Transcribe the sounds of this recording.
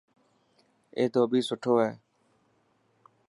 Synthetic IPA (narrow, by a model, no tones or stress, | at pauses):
ḛːt̪oːbʱiːsʊʈʰoːɦeː